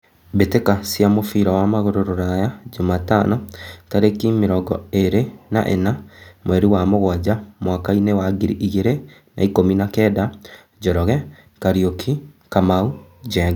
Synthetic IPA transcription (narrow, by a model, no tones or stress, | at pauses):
betekasjamofiɾawamaɣoɾoɾoɾajad͡ʒomatanɔtaɾekimeɾɔɡɔeɾena̰ʔḛnamwɛɾiwamoɣwad͡ʑamwakainewaɡiɾiʔiɣeɾe | na̰ikominakɛːda | d͡ʑɔɾɔɣɛ | kaɾiokʰikamaud͡ʑɛɡa